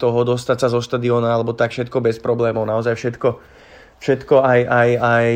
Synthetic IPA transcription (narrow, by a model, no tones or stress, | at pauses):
t̪ɔɦɔd̪ɔst̪atsazɔʃt̪ad̪iɔːnaalɛbɔt̪akfʃɛt̪kɔbɛspɾɔblɛːmɔʊnaɔzajfʃɛt̪kɔ | fʃɛt̪kɔajajaj